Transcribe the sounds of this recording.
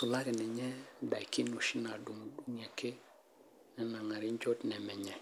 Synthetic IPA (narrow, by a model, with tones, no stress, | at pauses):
sʊ˨la˦kɛ˨nɛ˨ɲɛ˦da̰˨jki˦no˨ʃi˦na˨du˨ŋ˨du˦ŋɛ˨ke˦ | nɛ˦na˨ŋa˨ɾɪ˦ɲ˦d͡ʒɔ˦tnɛ˨mɛ˨ɲɛ˨